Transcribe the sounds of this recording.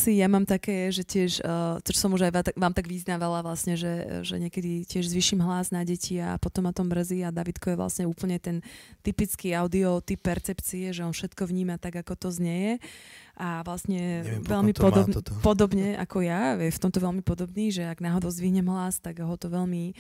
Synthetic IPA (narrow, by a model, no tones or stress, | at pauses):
sijamaːmt̪akɛːjɛʒɛcɪɛʃt̪ɔt͡ʃsɔmuʒajʋaʋaːmt̪aɡʋiznaʋalaʋlasɲɛʒɛʒɛ̰ɲɪɛkɛd̪icɪɛʒzʋiʃimɦlaznaɟɛcia̰pɔt̪ɔmːat̪ɔmːr̩ziad̪aʋit̪kɔjɛʋla̰sɲɛuːpl̩ɲɛt̪ɛnt̪ipit͡skiːaʊd̪iɔt̪ipːɛɾt͡sɛpt͡siɛʒɛɔnfʃɛt̪kɔʋɲiːmat̪aɡakɔt̪ɔzɲɛjɛʔaʋlasɲɛʋɛʎmipɔd̪pɔd̪ɔbɲɛʔa̰kɔjajɛft̪ɔmt̪ɔʋɛlmipɔd̪ɔbniːʒɛaɡnaɦɔd̪ɔʊzd̪ʋiɦɲɛmɦlast̪aɡɦɔt̪ɔʋɛʎmi